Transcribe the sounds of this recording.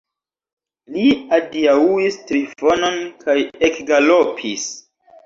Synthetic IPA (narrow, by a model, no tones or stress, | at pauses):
liadiauistlifononkʰajekɡalopʰis